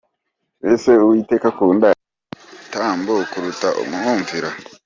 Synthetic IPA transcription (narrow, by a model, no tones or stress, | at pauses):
weseuwiːte̞ːkakuːnda | taːmbokuɾutaʔṵmuhuːɱviɾa